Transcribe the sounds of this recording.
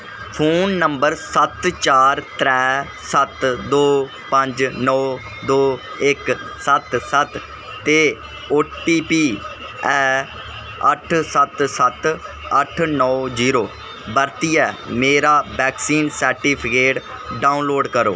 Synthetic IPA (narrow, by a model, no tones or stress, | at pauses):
pʰoːnːəmbəɾsət̪t͡ʃaːɾt̪ɾɛː | sət̪d̪oː | pəɲd͡ʒnɔː | d̪oː | ɪksət̪sət̪ː | eː | oʈiːpiː | ɛ | ə̰ʈʰsət̪sət̪ | əʈʰnɔːziːɾoː | bəɾt̪iːɛːmeːɾaːbɛːksiːnsəɾʈiːpʰɪkeːʈ | ɖaːʊnloːɖkəɾo̰ː